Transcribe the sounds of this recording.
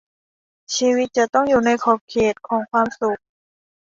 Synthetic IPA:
t͡ɕʰiː˧wi˦˥t̪̚t͡ɕa˨˩t̪ɔ˥˩ŋjuː˨˩na˧˥˧jkʰɔː˨˧˩p̚kʰeː˨˩t̪̚kʰɔː˩˦ŋkʰwaː˧˨msu˨˩k̚

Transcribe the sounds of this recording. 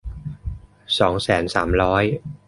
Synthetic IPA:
sɔː˩˦˥ŋsɛː˩˦nsa̰ː˩˦mɾɔː˦˥j

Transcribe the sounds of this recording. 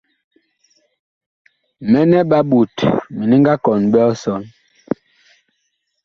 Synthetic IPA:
mɛ˦nɛ˦ɓa˦ɓu˨tmi˨ni˦ŋɡa˦kɔ˨nbɛ˦ɔ˦sɔ˨n

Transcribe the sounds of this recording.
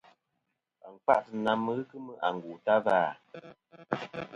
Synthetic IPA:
a˨ŋ̩˨k͡pa̰˦ʔtɨ˨na˦mːə˦ɣɨ˦kɨ˦mɨ˦ʔa˨ŋ˨ɡuː˨ta˦vaː˦˨

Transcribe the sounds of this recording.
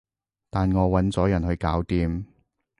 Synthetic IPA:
t̪aː˨nŋɔː˨˧wɐ˨˥nt͡sɔː˨˥jɐ˨˩nhɵ˧ɥkaː˨˥wt̪iː˧m

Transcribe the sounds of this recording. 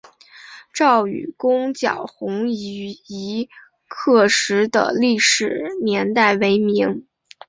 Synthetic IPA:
ʈ͡ʂɑ˥˩ʊy̰˨˩kʊ˥ŋt͡ɕjɑ̰˨˩ʊxʊ˧˥ŋ˧i˧˥ | kʰɤ˥˩ʂɻ̩˧˥d̪ə̰˧li˥˩ʂɻ̩˨˩njɛ˧˥nt̪a˥˩ɪwe˧˥ɪmi˧˥ŋ

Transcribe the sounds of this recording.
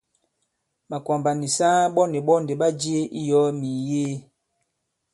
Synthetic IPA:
ma˨kwa˨mba˨ni˨sa˦ɓɔ˦ne˨ɓɔ˦nde˨ɓa˦d͡ʒi˦e˦ʔi˦jɔ˨˦mi˨jeː˦

